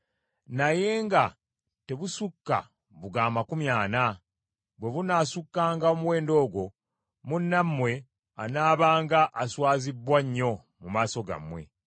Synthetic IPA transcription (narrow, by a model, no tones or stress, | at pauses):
naje̞ːŋɡa | te̞βusukːa̰ | βuɡaːmakumjaːna | βwe̞βunaːsukːaːŋɡaomuwe̞ːndo̞ːɡwo̞ | munːamːwe̞ | anaːβaːŋɡaʔːswaːzibwaɲːo̞ | mumaːso̞ɡa̰mwe̞̰